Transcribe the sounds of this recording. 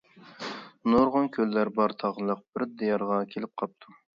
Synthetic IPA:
noɾʁʊnkʲʰølːæɾbɑɾt̪ʰɑʁəlˠəq̚b̥ɪɾd̪ejɑɾʁɑkʲʰelɪp̚qʰɑp̚t̪ʰu

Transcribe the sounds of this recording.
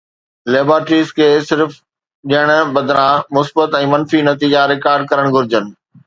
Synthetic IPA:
leːbaːɾʈɾiːzkʰeːsɪɾf | ɗiəɽ̃̆bɐd̪ʱɾãmʊsbət̪ɛ̃ːmɐnfinɐt̪iːd͡ʑaɾɪkaːɾɖ̚kɐɾəɽ̃ɡʱʊɾɪd͡ʑənɪ̆

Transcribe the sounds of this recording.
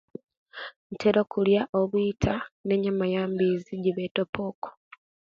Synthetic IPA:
ntʰeɾo̞kuljaʔoβuitʰane̞ɲamajaːmbiziɟiβetopo̞ːko̥

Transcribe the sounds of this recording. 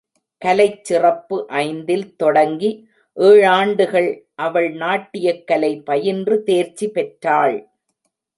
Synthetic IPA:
kɐlɐɪt͡ʃːɪrɐpːɯʔɐɪnd̪ɪlt̪ɔɽɐŋɡi | ʔeːɻaːɳɖɯɣɐɭʔɐʋɐɭnaːʈːɪjɐkːɐlɐɪpɐjɪndrɯt̪eːɾt͡ʃːipɛʈraːɭ

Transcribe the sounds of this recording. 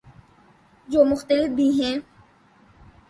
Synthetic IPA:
d͡ʒoːmʊxt̪əlɪfbʱiːɦɛ̃ː

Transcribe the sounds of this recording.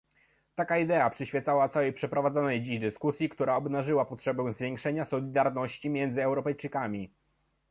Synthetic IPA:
t̪akaid̪ɛapʂɘɕfʲjɛt̪sawat̪sawɛjpʂɛpɾɔvad̪zɔnɛjd͡ʑiʑd̪ɘskusʲjikt̪uɾaɔbnaʐɘwapɔtʂɛbɛ̃w̃zvʲjɛŋkʂɛɲasɔlʲid̪aɾnɔɕt͡ɕimʲjɛnd̪zɘɛwɾɔpɛjt͡ʂɘkamʲi

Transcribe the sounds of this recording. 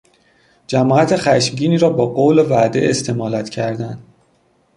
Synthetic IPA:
d͡ʒæmɒːæt̪ʰexæʃmɟiːniːɾɒːbɒːɢoːwlevæd̪e̞̰est̪ʰe̞mɒːlæt̪cʰæɾd̪ænd̪

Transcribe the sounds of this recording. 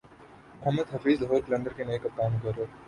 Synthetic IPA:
ɐɦmɪd̪ɦɐfiːzlɦoːɾklɐ̃ɳɖəɾkenɐekakaːmkɐɾoː

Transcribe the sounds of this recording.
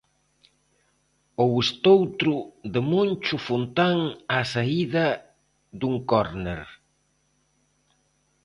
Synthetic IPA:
owest̪owt̪ɾʊðemont͡ʃʊfunt̪aŋasaiðɐ | ðuŋkɔɾneɾ

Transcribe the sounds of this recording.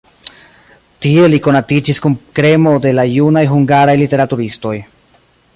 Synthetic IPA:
tie̞liko̞natid͡ʒiskunkɾe̞mo̞de̞lajunajɦuŋɡaɾajlite̞ɾatuɾisto̞j

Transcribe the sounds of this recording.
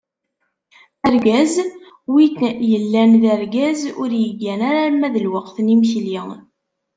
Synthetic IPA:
æɾɡæz | witjəlːænðæɾɡæzʊ̰ɾjəɡːænaɾaɾmæðəlwəqθnimçli

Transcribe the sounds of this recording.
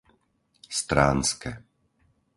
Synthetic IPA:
st̪ɾaːnskɛ

